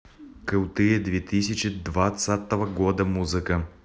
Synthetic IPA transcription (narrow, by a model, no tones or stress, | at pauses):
kɨwˠt̪ɨjəd̪vʲet̪isʲɪt͡ʃɪd̪vat̪sat̪əvəɡod̪əmuzɨkə